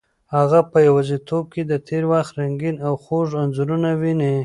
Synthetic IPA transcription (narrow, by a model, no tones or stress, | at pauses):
haɣapəjawazit̪ʰob̚ked̪ət̪ʰeɾwaxt̪ɾaŋɡinawxoʐanzuɾunawine